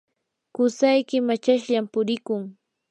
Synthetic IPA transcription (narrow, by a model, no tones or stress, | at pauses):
kʊsajkɪmat͡ʃaʃʎampʊɾɪkʊŋ